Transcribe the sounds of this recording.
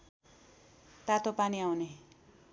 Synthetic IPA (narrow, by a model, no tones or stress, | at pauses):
t̪at̪opaniawne